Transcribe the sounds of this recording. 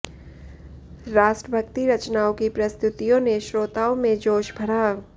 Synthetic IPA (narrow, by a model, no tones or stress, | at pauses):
ɾaːʃʈɾəbʱəkt̪iɾɐt͡ʃnaːõkipɾɐst̪ʰʊt̪ijõneʃɾoːt̪aːõmẽd͡ʒoːʃbʱɐɽaː